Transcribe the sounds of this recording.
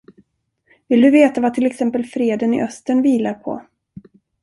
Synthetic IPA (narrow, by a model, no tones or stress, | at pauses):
vɪld̪ɵveːt̪avat̪ʰɪlɛksɛmpəlfɾeːd̪ənɪ̰ʔœst̪əɳviːlaɾpʰɔ̰